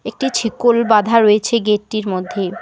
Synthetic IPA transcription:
ek̚ʈit͡ɕʰikolbad̪ʱaɾoet͡ɕʰeɡeʈːiɾmod̪ʱːe

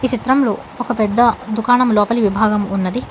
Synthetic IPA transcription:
iːt͡ʃit̪ɾɐmloː | ɔkɐpɛd̪ːɐd̪ukaːɳɐmlɔːpɐliʋibʱaːɡɐmunːɐd̪i

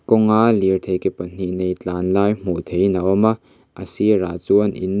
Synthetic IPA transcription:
kɔŋaliɾt̪ʰejkepɐn̥iʔnejt͡ɬaːnlaːjm̥ut̪ʰejnaʔɔma | ʔɐsiraːt͡suənḭn

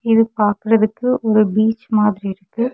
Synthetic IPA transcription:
ɪðɯpaːɾkɯɾɐðɯkːɯʔɔɾɯbiːt͡ʃːmaːðɪɾiɪɾɯkːɯ

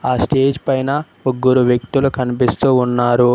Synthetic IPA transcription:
aːsʈe̞ːd͡ʒpɐjnɐ | oɡːuɾuʋjɐkt̪ulukɐnipist̪uːnːaːɾu

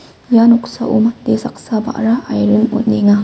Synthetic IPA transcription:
januksa̰ʔṵmat̪̚d̪esa̰k̚saba̰ʔɾahajɾənʊ̰nniŋa

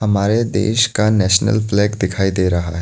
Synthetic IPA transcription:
hɐmaːɾed̪ḛːʃkanɛːʃnə̰lflɛːɡd̪ɪkʰaːid̪eːɾɐɦa̰ɦɛ

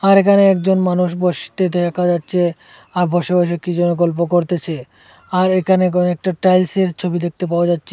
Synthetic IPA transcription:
aɾekʰaneɛkd͡ʑonmanuʃ̬boʃi̥t̪ed̪ʱɛkʰad͡ʑatːɕʰe | aɾbʱɔʃeboʃekid͡ʑonok̬olp̬okoɾt̪et͡ɕʰe | aɾekʰanek̬onoɛk̚ʈaʈɾajlseɾt͡ɕʰobid̪ek̚t̪epaoad͡ʑatːɕʰe

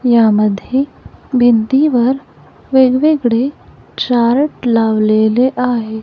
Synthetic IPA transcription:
jaməd̪ʱːjebʱind̪iʋəɾ | ʋeɡʋeɡɽe | t͡ɕaɾʈlaʋleleʔaɦe

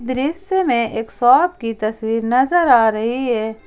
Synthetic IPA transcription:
d̪ɾɪsemẽʔeːksɔːb̚kit̪ɐswiːɾnɐzəɾaːɾɐɦiɦɛː

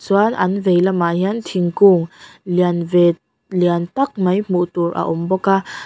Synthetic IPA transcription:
suanʔɐnvejlamaɦint̪ʰiŋkuŋlianve | liənt̪ɐk̚mɐjmuʔt̪uɾʔa̰ʔʊmbɔka

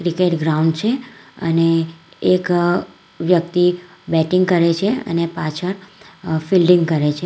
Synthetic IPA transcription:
kɾikeʈɡɾauɳɖt͡ʃʰeə̰neːk | ʋjək̚t̪ibɛʈɪŋɡkəɾet͡ʃʰeə̰nepat͡ʃʰəɾfilɖɪ̃ŋɡkəɾet͡ʃʰe

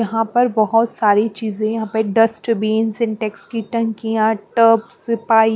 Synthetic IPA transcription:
jɐɦãpɐɾbɐɦɔt̪saːɾit͡ʃiːzẽjɐɦãpɐɖɐsʈbeːnsɪ̃nʈɛkskiʈɐ̃ŋkijãʈəpsɪpaːi

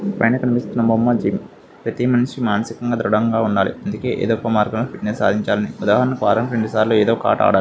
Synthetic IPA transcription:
pɐ̰jnɐkɐnipist̪unːɐbɐmːɐd͡ʒim | pɾɐt̪imɐnʂimaːnɐsikɐŋɡaːd̪ɾuɽɐŋɡaːuɳɖaːlḭɐnd̪uke̞ːʔḛːd̪opːɐmaːɾɡɐmloːpʰiʈnesaːd̪ʱiɲt͡ʃaːlɐniud̪aːɦɐnːukʋaːɾɐmɾeɳɖisaːɾloːeːd̪oːka̰ːʈa̰ːɽaːi

